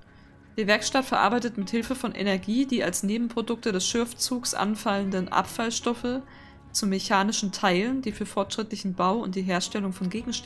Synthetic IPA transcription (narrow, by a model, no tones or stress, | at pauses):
d̥eːɐvɛɐkʃtatfɛɐʔa̰ɐbaɪtətmɪthɪlfəfɔnʔḛnɛɐɡiːdiːalsneːbm̩pʁ̥odʊk̚tədɛsʃɪɐft͡suːksʔa̰nfaləndənʔa̰pfalʃtɔfə | t͡sumeçaːnɪʃn̩tʰaɪləndiːfyːɐfɔɐtʃʁ̥ɪtlɪçn̩baʊʊ̰nt̚d̥iːɦeːɐʃtɛlʊŋfɔnɡeːɡŋ̩ʃ